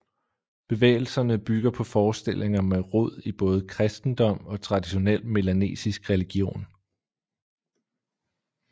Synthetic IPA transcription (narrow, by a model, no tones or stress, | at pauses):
b̥e̝ʋḛːɪl̩sɐnəb̥yɡ̥ɐpʰɒ̽fɒːsd̥e̝l̰ʔe̝ŋɐmeʁɔð̰ˠib̥ɔ̽ːð̩ˠəkʰʁɛsd̥n̩d̥ɒ̽m̰ɒ̽t͡sʰʁɑ̈diɕo̝nel̰me̝læne̝̰ːsisɡ̥ʁɛliɡ̥jo̝̰ːn